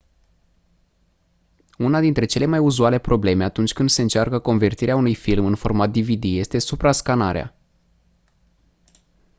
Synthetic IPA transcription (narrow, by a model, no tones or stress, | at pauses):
unad̪int̪ɾe̞t͡ʃe̞le̞majuzuale̞pɾo̞ble̞me̞at̪unt͡ʃʲkɨnd̪se̞ɨnt͡ʃarkəko̞nve̞rt̪iɾeaunujfilmɨnfo̞rmat̪̚d̪ivid̪ije̞st̪e̞supɾaskanaɾea̰